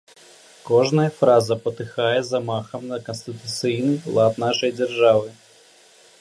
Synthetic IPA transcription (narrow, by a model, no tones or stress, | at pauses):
koʐnəjəfɾazəpət̪ɨxajɛzɐmaxəmnɐkənsʲt̪ʲɪt̪ut̪sɨinɨlˠat̪naʂəjdʲɪrʐavɨ